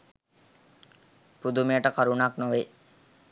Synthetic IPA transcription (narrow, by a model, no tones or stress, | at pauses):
pud̪umejəʈəkaɾunaknoʋe